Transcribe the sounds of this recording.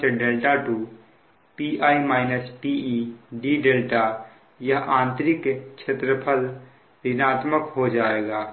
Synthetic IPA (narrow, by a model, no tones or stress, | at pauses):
eɖeːlʈaʈu | piːʔaːimaːɪnəspiːiɖiɖeːlʈa | jɐɦãːnt̪ɾɪkʃʰet̪ɾəpʰəl | ɾɪnaːt̪məkɦod͡ʒaːeːɡaː